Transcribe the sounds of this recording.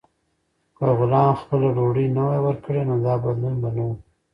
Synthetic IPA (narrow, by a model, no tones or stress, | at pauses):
kəɣʊlɑmxpəlaɖoɽənawajwəɾkəɽenod̪ɑbad̪lunbanawu